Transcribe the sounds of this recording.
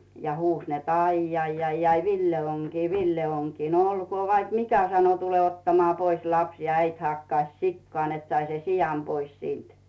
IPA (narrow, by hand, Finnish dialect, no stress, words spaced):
jɑ huːs net ɑijːɑijːɑijɑi ʋilːel oŋ kiː ʋilːe oŋ kiː no olkoː ʋɑik mikæ sɑno tule otːɑmŏɑː pois lɑps jɑ æit hɑkːɑĭs sikːŏɑˑ net sɑi sen sijɑm pois siːnt